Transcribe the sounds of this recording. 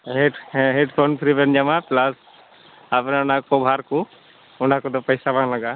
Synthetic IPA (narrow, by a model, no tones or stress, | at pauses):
ɦeɖɦeɖpʰonpʰɾibend͡ʒamãplas | apnaʊnãkobʱaːɾku | ʊn̤ãkod̪opɐɪsabãlɐɡaː